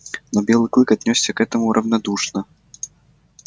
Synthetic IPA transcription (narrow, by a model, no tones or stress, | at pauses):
nɔbʲɛlˠɨklˠɨkad̪ʲnʲɔsʲːɐkɛt̪ɐmuɾʔɐwnad̪uʂnɐ